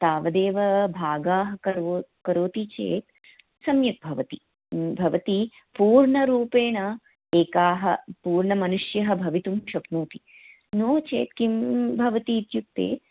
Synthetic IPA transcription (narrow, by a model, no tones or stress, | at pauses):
t̪aːʋɐd̪eːʋɐbʱaːɡaːɦɐ̆kɐɾokɐɾoːt̪it͡ʃḛːt̪̚ | sɐmjɐk̚bʱɐʋɐt̪i | bʱɐʋɐt̪i | puːɾɳɐɾuːpeːɳɐ | eːkaːɦɐpuːɾɳɐmɐnuʂjɐɦɐ̆bʱɐʋit̪umʃɐknuːt̪i̥ | noːt͡ʃḛːt̪kimbʱɐʋɐt̪iːt̪juk̚t̪ḛː